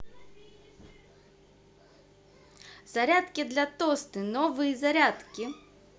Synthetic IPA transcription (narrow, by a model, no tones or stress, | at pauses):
zaɾʲat̪kʲid̪lʲɐt̪ɔst̪ɨnɔvɨjizaɾʲat̪kʲi